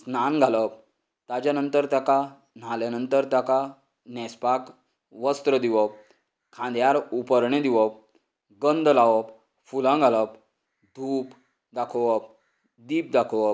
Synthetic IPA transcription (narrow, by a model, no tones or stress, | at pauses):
snanɡʱaləp̚ | t̪ad͡ʑanənt̪əɾt̪jaka | n̤aljanənt̪əɾt̪jaka | nɛspak | ʋəst̪ɾəd̪iʋəp̚ | kʰãnd̪jaɾupəɾɳed̪iʋəp̚ | ɡənd̪ʱəlaʋəp | fulãɡʱaləp | d̪ʱuːp | d̪akʰəʋəp̚ | d̪iːp̚d̪akʰəʋəp